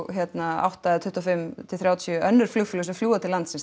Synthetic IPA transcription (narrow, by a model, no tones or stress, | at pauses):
çjɛt̪naa̰wht̪aɛt̪ʰʏht̪uɔfɪmt̪ʰɪlθɾjaːwt̪ʰjʔœnːʏɾ̥flʏxfʏlʏsɪmfluːat̪ʰɪlːant̪sɪns